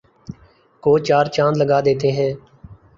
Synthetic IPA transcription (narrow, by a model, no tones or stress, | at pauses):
koːt͡ʃaːɾt͡ʃãːnləɡaːd̪eːt̪eːɦɛː